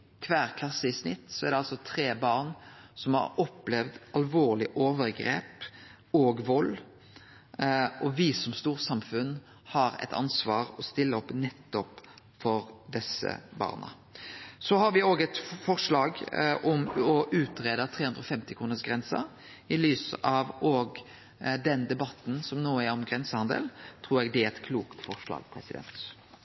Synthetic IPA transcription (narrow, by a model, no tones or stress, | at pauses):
kʰʋæːʁkʰlɑsːəɪsnɪt̪ːsɔɛʁd̪ɛɑlsɔt̪ʰɾeːbɑːʁnsɔmhɑ̰ɾɔpːlɛʋd̪ɑlʋoːʁlɪʔoːʋəɾɡɾḛːp | oːɡʋɔlː | ɔʋɪsɔmst̪uːʁsɑmfʉn | hɑɾɛ̰t̪ʰɑ̰nsʋɑːʁɔst̪ɪlːəɔpːnɛt̪ːɔp | fɔɾd̪ɛsə̰bɑ̰ːʁnə̰ | sɔhɑɾʋɪoːɡɛt̪fɔʁʂlɑːɡʔɔmɔʔʉːt̪ɾeːd̪ɑt̪ʰɾeːhʉnd̪ɾɔfɛmt̪ɪkʰʁuːnəsɡʁɛnsə̰ɾ | ɪlyːsəʔɑʋɔːɡ | d̪ɛnd̪ɛbɑt̪n̩sɔmnoːəæɾɔmɡʁɛnsəhɑnd̪ə̰lt̪ʰʁuːɾɛɡd̪ɛæɛt̪kʰluːkt̪fɔʁʂlɑ̰ːɡpʰɾɛsɪd̪ɛ̰nt̪